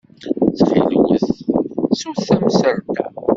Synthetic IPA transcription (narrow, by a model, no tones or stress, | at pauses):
θfilwə̰θsuθæmsəɾt̪æ